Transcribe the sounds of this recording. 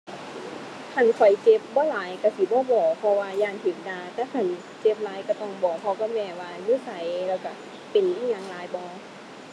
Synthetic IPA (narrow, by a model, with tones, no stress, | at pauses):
kʰa˧˩˨nkʰɔ˨˩jt͡ɕe˧˥p̚bɔː˧˦laː˨˦jka˧˩si˨˦bɔː˧˦bɔː˨˩pʰɔ˧waː˧jaː˧˩˨nt̪ʰe˨˦p̚daː˧˨t̪ɛː˧˥˩kʰa˧˩n | t͡ɕe˧˥p̚laː˨˧˦jka˧˩t̪ɔ˧˩ŋbɔː˨˩˦pʰɔ˧kɔ˧˥˩mɛː˧˩waː˧juː˧˥˨sa˨˦jlɛː˧˩wka˧˩ | pe˨nʔiː˧˥˨ɲa˧ŋlaː˨˦jbɔː˧˦